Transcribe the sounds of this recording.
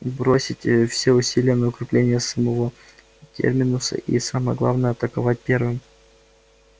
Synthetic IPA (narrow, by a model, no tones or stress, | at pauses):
bɾo̞sʲɪtʲfsʲeʊsʲilʲɪjənəʊkɾʲɪplʲenʲɪjəsəmɐvo̞ | tʲʰḛrmʲɪnʊsə̰ʔḭsaməjəɡlˠa̰vnəjəɐt̪əkɐvat̚ʲpʲe̞rvɨm